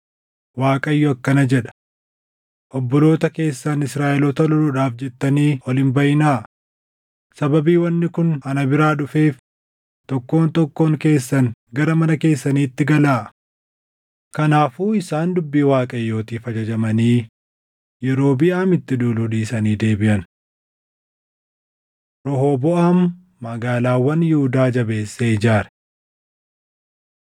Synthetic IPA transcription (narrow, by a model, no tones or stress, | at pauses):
waːkʼɐjːɔɐkːɐnɐd͡ʒɛᶑɐ̥ | ʔɔbːɔlo̞ːt̪ɐke̞ːsːanɪsɾaːʔɛlɔt̪ɐlɔlʊᶑaːfd͡ʒɛt̪ːɐniːʔɔlɪmbɐjɪnaː | sɐbɐbiːwɐnːɪkʊnɐnɐbɪɾaːᶑʊfe̞ːf | t̪ɔkːo̞ːnt̪ɔkːo̞ːŋke̞ːsːɐŋɡɐɾɐmɐnɐke̞ːsːɐniːɪt̪ːɪɡɐlaː | kɐnaːfuːɪsaːnd̪ʊbːiːwaːkʼɐjːo̞ːt̪iːfɐd͡ʒɐd͡ʒɐmɐniː | jɛɾo̞ːbɪʔaːmɪt̪ːɪᶑuːlhʊᶑ̪iːsɐniːd̪e̞ːbɪʔɐn | ɾɔɦo̞ːbɔʔaːmː | ɐɡaːlaːwɐnjɪhʊd̪aːd͡ʒɐbe̞ːsːeɪd͡ʒaːɾɛ̥